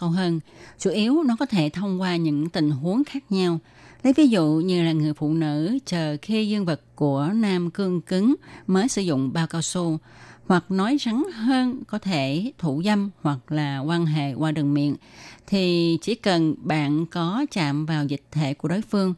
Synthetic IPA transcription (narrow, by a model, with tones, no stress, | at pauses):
ə˧wɦəː˧nt͡ɕu˧˩ʔi˨˦əwnɔ˨˦kɔ˨˦t̪ʰe˧˩t̪ʰə˧wŋ͡mkwaː˧ɲɨ̰˧˥ŋt̪ï˨˩ŋ̟ɦu˨˦əŋxaː˦˥k̚ɲa˧w | lə˨˦jvi˨˦zṵ˧˨ɲɨ˧laː˨˩ŋɨ˨˩əjfṵ˧˨nɨ̰˧˥t͡ɕəː˨˩xi˧zɨ˧əŋvɨ˨˩k̚ku˧˩ənaː˧mkɨ˧əŋkɨ˨˦ŋməː˨˦jsɨ̰˧˩zʊ̰˧˨ŋ͡mɓaː˧wkaː˧wsu˧ | hwa˨˩k̚nɔ˨˦jsa˨˦ŋɦəː˧nkɔ˨˦t̪ʰe˧˩t̪ʰu˧˩zə˧mhwa˨˩k̚laː˨˩kwaː˧nɦḛ˧˨kwaː˧ɗɨ˨˩əŋmḭ˧˨ənt̪ʰi˨˩t͡ɕi˧˩kə˨˩nɓa̰ː˧˨nkɔ˨˦t͡ɕa̰ː˧˨mvaː˨˩wzï˨˩k̟̚t̪ʰḛ˧˩ku˧˩əɗoː˨˦jfɨ˧əŋ